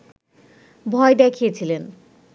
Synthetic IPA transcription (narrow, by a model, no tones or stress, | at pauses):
bʱɔed̪ɛkʰijet͡ɕʰilen